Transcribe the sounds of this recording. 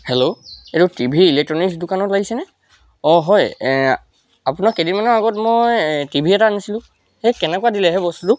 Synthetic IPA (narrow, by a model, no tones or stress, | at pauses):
hɛloetutibʱiːlɛk̚tɹɔniksdukanɔtlaɡisɛnɛ | ɔɦɔj | apunakedimanɔaɡɔtmojtibʱiɛtaanisilʊ̃ | hɛkɛnɛkuadilɛɦɛbɔstutu